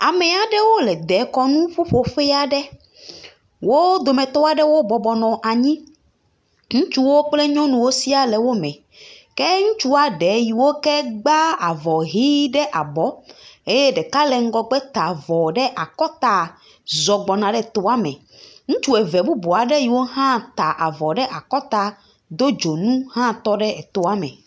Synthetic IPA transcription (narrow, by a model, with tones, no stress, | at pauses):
a˨mɛ˨a˨ɖɛ˦wo˦lɛ˨d̪ɛ˨˦kɔ˨nũ˦ɸu˦ɸo˨ɸɛ˦a˨ɖɛ˦ | wo˦d̪o˨mɛ̃˨t̪ɔ˦a˨ɖɛ˦wo˦bɔ˨bɔ˨nɔ̃˨ʔa˨ɲĩ˦ | ŋũ˦t͡ʃu˦wo˦k͡plɛ˦ɲɔ̃˦nũ˨wo˦si˦a˨lɛ˨wo˦mɛ̃˨ | kɛ˦ŋũ˦t͡ʃu˦a˨ɖɛ˨˦ji˨wo˦kɛ˦ɡ͡ba˦a˨vɔ˨ɦi˦ɖɛ˦ʔa˨bɔ˨˦e˦jɛ˦ɖɛ˨ka˦lɛ˨ŋ̩˦ɡɔ˦ɡ͡bɛ˦t̪a˨vɔ˨ɖɛ˦ʔa˨kɔ˦t̪a˨ | zɔ˨ɡ͡bɔ˨nã˨ɖɛ˦˨t̪o˨a˦mɛ̰̃˨ | ŋũ˦t͡ʃu˦ɛ˨vɛ˨bu˦bo˨a˨ɖe˦ji˨wo˦ɦã˦t̪a˨ʔa˨vɔ˨ɖɛ˦ʔa˨kɔ˦t̪a˦ | d̪o˦d͡ʒo˨nũ˦hã˦t̪ɔ˦ɖɛ˦e˨t̪o˨a˦mɛ̰̃˨